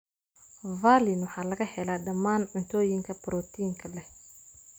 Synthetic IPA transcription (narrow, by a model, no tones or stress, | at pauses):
vaːlɪnwɑħɑːlɐɣɐhɛlaːɖɐmːaːnʕʊnt̪ʰɔːjɪŋkʰɐbɾɔːt̪ʰiŋkʰɐlɛh